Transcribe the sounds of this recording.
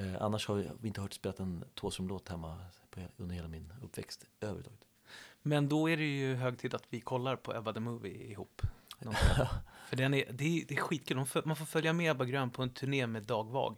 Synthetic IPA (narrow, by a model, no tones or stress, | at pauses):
ʔa̰nːaʂhavvɪɪnt̪əhœːʈspeːlat̪ɛnt̪ʰoːsɾɔmloːt̪hɛmːapʰɔɵnd̪əheːlamɪnɵ̰pːvɛ̰kst̪øːvəɾt̪ʰɑːɡə̥t̪mɛnd̪ɔæɖɛjɵɦøːɡ̚t̪ʰiːd̪at̪vɪkʰɔlːaɾpʰɔʔɛbad̪əmɵːvɪ̰ɪɦuːpːnɔfœɖɛnæɾd̪ɛæd̪ɛæɾɧiːt̪kʰʉld̪ɔmfmanfoːɾfœljamɛːɛbaɡɾøːnpʰɔɛnt̪ʰɵɳeːmeːd̪ɑːɡvɑ̰ːɡ